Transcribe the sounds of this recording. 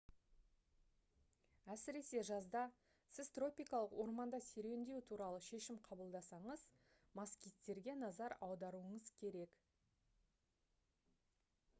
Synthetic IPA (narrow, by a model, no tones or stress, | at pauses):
æsɪɾe̞se̞ʒɑzd̪ɑ | sɪzt̪ro̞pijkɑlˠəqwo̞ɾmɑnd̪ɑse̞ɾe̞wnd̪e̞wɪt̪ʰuɾɑlˠəʃe̞ʃɪmqʰɑbəlˠd̪ɑsɑɴəz | mɑskʲit̪ːe̞ɾɡʲe̞nɑzɑɾɑwd̪ɑɾuəɴəzkʲʰe̞ɾe̞k